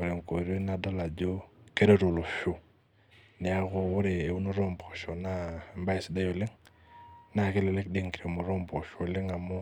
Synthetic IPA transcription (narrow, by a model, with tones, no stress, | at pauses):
wo˨ɾe˨ŋko˨ɾe˦na˨da˦la˨d͡ʒo˦ke˦ɾe˦ɾo˨lo˨fo˦ | nɪ˨a˦ko˨wʊ˦ɾe˨e˨u˦no˦ɾo˦mbɔ˨ʃo˨na˦˨mba˦ɪ˨sda˦jo˨lɪ˦ŋ | na˦˨ke˦le˨le˦k̚de˦ŋki˨ɾe˨mo˨ɾo˦mbɔ˨ʃo˨lɪ˦ŋa˨mʊ˦